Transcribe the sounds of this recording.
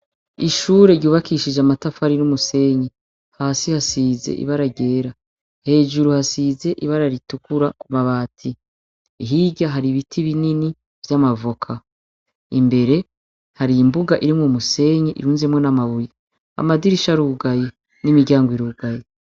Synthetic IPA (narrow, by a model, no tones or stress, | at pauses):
iʃuːɾe̞ɾɟuːβakiʃid͡ʒeamatafaɾinumuse̞ɲe | haːsihasizḛʔḭβaɾaɟe̞ːɾa | he̞ːʒuɾuhasiːze̞ʔiβaɾaɾitukuɾakumaβaːtʰi | iɦiːɟaɦaɾiβitʰiβinini | vjamavokʰa | imbe̞ɾe̞ | haɾiimbuɡaʔiɾimŋumuse̞ɲeʔḭɾuːnzemŋo̞namaβuje | a̰madiɾiʃaɾuɡaje | nimiɾɟjaːŋɡwiɾuɡaje